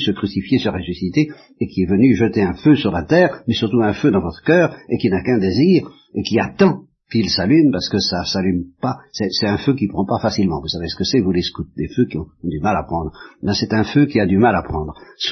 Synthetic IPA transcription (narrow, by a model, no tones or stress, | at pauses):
səkχysifjesəʁesysit̪e | ekʲiɛvənyʒət̪eɛ̃føsyʁlat̪ɛːʁmɛsyʁt̪uɛ̃fød̪ɑ̃vɔt̪χə̥kœːʁekinakɛ̃d̪eziːʁ | ekʲiat̪ɑ̃ | kilsalympaʁsə̥kəsasalympasɛsɛt̪ɛ̃føk̬ipχɑ̃pafasilmɑ̃vusavesə̥kəsɛvuleskut̪̚d̪eføkiɔ̃d̪ymalapχɑ̃d̪ʁmɛ̃sɛt̪ɛ̃føkiad̪ymalapχɑ̃ːd̪ʁs